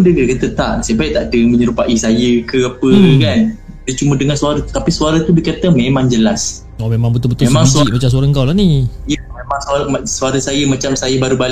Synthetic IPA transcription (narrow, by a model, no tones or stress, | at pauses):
dəkit̪kat̪ət̪a̰ʔsajəpajiʔt̪aʔdəməɲəɾupaʔisajəkəapəkan | dət͡ʃumədəŋansuaɾat̪u̥t̪apisuaɾat̪ubəkat̪amemãŋd͡ʒəlas | ɔmemãŋbət̪ʊbət̪uemaŋsmat͡ʃams̬uaɾaəŋkawlahnijəmemãŋsasuaɾasajəmat͡ʃamsajəbaɾubal